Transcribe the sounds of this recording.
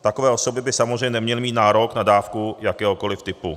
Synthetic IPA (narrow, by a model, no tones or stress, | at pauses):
t̪akovɛːʔosobɪbɪsamozrɛjɲɛnɛmɲɛlmiːt̪̚naːɾoknadaːfkujakɛːɦoko̞lɪft̪ɪpu